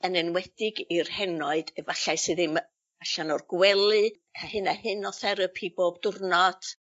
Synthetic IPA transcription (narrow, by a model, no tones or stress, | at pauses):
ənɛnwɛd̥ɪɡirhɛnɔɨd̥ɛvaɬajsɨðɨm | aɬanɔrɡwɛlˠɨ | kʰahɨnahɨnɔθɛɾəpʰiboːbdʊrnɔd̥